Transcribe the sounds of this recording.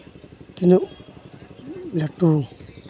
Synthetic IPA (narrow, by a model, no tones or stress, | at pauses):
t̪inũʔ | lat̪uː